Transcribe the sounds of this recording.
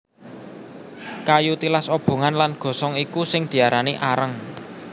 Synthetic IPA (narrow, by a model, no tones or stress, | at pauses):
kajut̪ilasob̥o̤ŋanlanɡ̥ɔ̤sɔŋikusɪŋd̪̥i̤aɾaniʔaɾəŋ